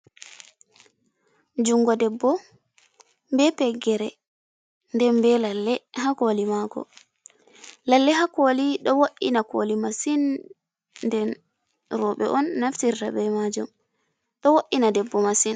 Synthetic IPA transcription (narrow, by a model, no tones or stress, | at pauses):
d͡ʒuŋɡɔdɛbːɔ | mbɛpɛɡːɛɾɛ | ndɛnbɛlalːɛhakolimakɔ̰ | lalːɛɦakoliɗɔwoʔḭnako̰limasin | ndɛn | ɾɔɓɛ̰ʔɔnːaftiɾta̰bɛmad͡ʒum | ɗɔwoʔːinadɛbːɔmasin